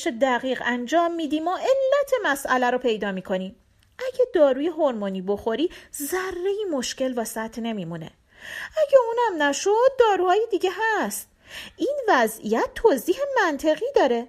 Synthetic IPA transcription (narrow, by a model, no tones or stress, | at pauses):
ʃed̪æɣiːɣænd͡ʒɒːmːiːd̪iːmɒːʔe̞lːæt̪ʰe̞mæsʔælæɾopʰe̞jd̪ɒːmiːkʰo̞niːm | ʔæɟæd̪ɒːɾuːjeɦoɾmoniːbo̞xo̞ɾiːzærːe̞jiːmo̞ʃce̞lvɒːsæt̪ʰːne̞miːmune̞̰ | æɟæuːnæmnæʃod̪̚ːɒːɾuːhɒːjed̪iːɟeɦæst̪ | ʔiːnvæzʔḭjæt̪ʰːoziːhe̞mænt̪ʰe̞ɣiːd̪ɒːɾe̞